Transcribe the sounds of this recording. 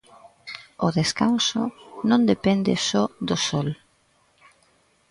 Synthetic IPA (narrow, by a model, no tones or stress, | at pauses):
ʊðeskansʊ̰nõnd̪epɛnd̪ɪ̰sɔd̪ʊsɔl